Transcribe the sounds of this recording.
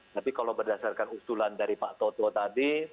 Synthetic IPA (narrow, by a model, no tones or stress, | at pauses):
t̪apikalowbərdasarkanust̪ulandaɾipaʔt̪ot̪ɔt̪adi